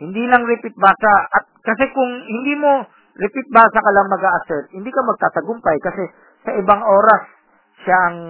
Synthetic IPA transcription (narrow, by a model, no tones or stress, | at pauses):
hɪnd̪iːnɐŋɾɪpɪt̪̚baːsɐɐt̪̚kɐsɛkʊŋhɪnd̪iːmo̞ | ɾɪpɪt̪̚baːsɐkɐlaŋmɐɡaːʔɐsɛɹt̪̚hɪnd̪iːkɐmɐɡ̚t̪aːt̪ɐɡʊmpɐjkɐsɛ | sɐʔɪbaŋʔo̞ːɾɐs | ʃaʔɐŋ